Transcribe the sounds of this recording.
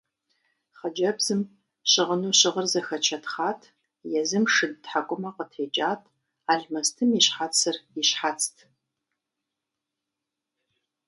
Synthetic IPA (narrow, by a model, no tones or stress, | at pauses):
χɐd͡ʒɐbz̥ɨm | ɕɪʁənuːɕɪʁərzɐxɐt͡ʃʰɐtχaːtʰ | jɛzɨmʂɨdtħakʷʼʊmɐqətʰeːt͡ʃʼaːtʰ | aːɮmɐstʰɨmiɕħat͡sʰɨriɕħat͡sʰʼtʰ